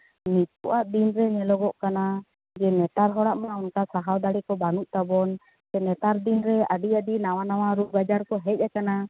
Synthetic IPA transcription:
mit̪̚ɔʔaʔd̪inɾɛnɛlɔɡɔʔkana | d͡ʒɛnɛt̪aɾɦɔɽaʔmaunkasaɦawd̪aɽikɔbanuʔ̚t̪abɔn | d͡ʒɛnɛt̪aɾd̪inɾɛaɖiaɖinaw̃anawaɾuɡad͡ʒaɾkɔɦɛc̚ˀɛkana

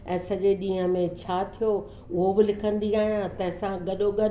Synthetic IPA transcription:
ɛ̃ːsɐʄeɗĩːɦə̃mẽt͡ɕʰaːt̪ʰijo | ʊɦobɪlɪkʰə̃nd̪iaːɦijãt̪ɐ̃ɦɪ̃sãɡɐɗoɡɐ

